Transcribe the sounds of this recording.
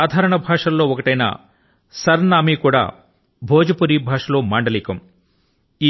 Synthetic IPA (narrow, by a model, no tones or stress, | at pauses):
aːd̪ʱaːɾɐɳɐbʱaːʂɐllo̞ːɔkɐʈɐjna̰ | sɐɾnaːmikuːɽa̰ː | bʱoːd͡ʒɐpuɾiːbʱaːʂɐloːmaːɳɖɐliːkɐm | iː